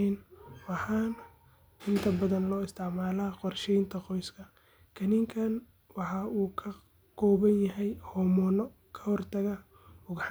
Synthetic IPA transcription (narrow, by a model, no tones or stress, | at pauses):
ɛnwɑħɑːn | ɪnt̪ʰɐbɐðɐnlɔːɪst̪ʰɪʕmaːlaːqɔrʃɛjnt̪ʰɐqɔjskʰɐ | kʰɐnɪŋkʰɐn | wɑħɑuːkʰɐ | kʰɔːβɐnjɐɦɛjhɔːmɔːnɔ | kʰɐhɔrt̪ʰɐɣɐ | ʊɣħ